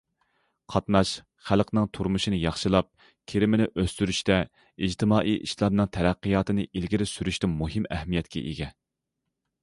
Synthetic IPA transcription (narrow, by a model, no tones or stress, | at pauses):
qʰɑt̪nɑʃ | χælˠqnɨŋt̪ʰuɾmuʃinɨjɑχʃɨlˠɑp̚ | kʲʰeɾɪmɪnɪʔøst̪yɾyʃt̪ɛ | id͡ʒt̪ʰɨmɑːʔiʔḭʃlˠɑb̚nɨŋt̪ʰɛɾæqːijɑːt̪ɨnɨʔilɡʲiɾɪsyɾyʃt̪ɛmuɦɪmɛhmijɛt̪̚kʲʰɛ̰ʔiɡʲɛ